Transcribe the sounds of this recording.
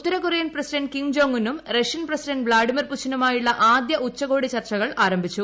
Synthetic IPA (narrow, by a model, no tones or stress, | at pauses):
ut̪ːɐɾɐkurijɐnprɐsiɖɐɳɖkiŋɡd͡ʑo̞ːŋːinːumreʂjɐnprɐsiɖɐnɖbɭaːɖimɐrpuɕɐnumaːjiɭːɐʔaːd̪jɐʔut͡ɕːɐɣo̞ːɽit͡ɕɐrt͡ɕɐɣɐɭaːɾɐmbʱit͡ɕːu